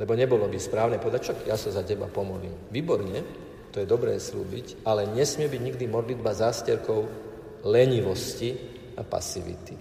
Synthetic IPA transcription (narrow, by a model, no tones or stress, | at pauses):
lɛbɔɲɛbɔlɔbispɾaːʊnɛpɔd̪at͡ʃɔkjasɔzacɛba̰pɔmɔlḭmʋiːbɔɾɲɛ | t̪ɔjɛd̪ɔbɾɛːslṵːbicʔalɛɲɛsmɪɛbiɟɲiɡd̪imɔd̪lid̪bazaːscɛɾkɔʊ | lɛɲiʋɔsci | apa̰siʋḭt̪i